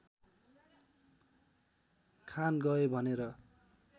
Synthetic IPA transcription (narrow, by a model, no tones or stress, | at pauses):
kʰanɡʌebʱʌneɾʌ